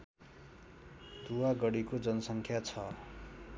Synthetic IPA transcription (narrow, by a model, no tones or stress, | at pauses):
t̪uwaɡʌɽikod͡zʌnʌsʌŋkʰjat͡sʰʌ